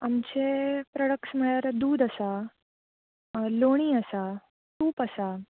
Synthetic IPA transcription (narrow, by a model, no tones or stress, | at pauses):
amt͡ɕepɾəɽəksməjaɾd̪uːd̪əsa | loɽ̃iːəsa | t̪uːpəsa